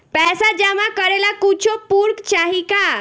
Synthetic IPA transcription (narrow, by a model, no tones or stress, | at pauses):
pɛːsad͡ʒɛmãkəɾelakut͡ʃʰopuɾkt͡ʃaɦika